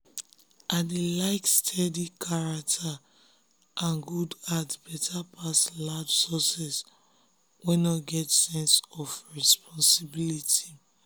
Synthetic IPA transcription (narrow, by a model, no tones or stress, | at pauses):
ʔadelaɪkstʰɛdikʰaɹak̚tʰa | ʔãnɡudatbɛtʰapʰasladsɔsɛs | wɛ̃naɡɛtsɛ̃nsɔfɹɛspʰɔ̃nsibiliti